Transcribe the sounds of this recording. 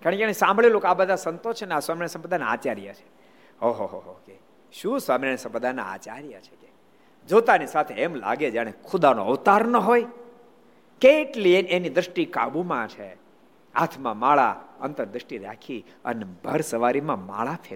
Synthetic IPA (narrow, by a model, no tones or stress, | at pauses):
kaɽ̃ikãesãmbɭilokabəd̪ʱasənt̪ot͡ʃʰeneaswamiɾjəsəmpəd̪ʱajnaat͡ʃaɾja̰t͡ʃʰe̥ | oɦoɦoɦoke | ʃũsʋamiɾaɳjəsəmpəd̪ʱana̰a̰t͡ʃaɾjət͡ʃʰe̥ke | d͡ʒot̪anisat̪ʰeːmla̰ɡed͡ʒaɽ̃ekʰʊd̪ano̰əʋt̪aɾnəɦoj | keːʈlieenid̪ɾəʂʈika̰bumãt͡ʃʰe | a̰t̪ʰmãmaɭa̰ənt̪əɾd̪ɾəʃʈiɾa̰kʰi | ə̰nebʱəɾsəʋaɾimãma̰ɭapʰe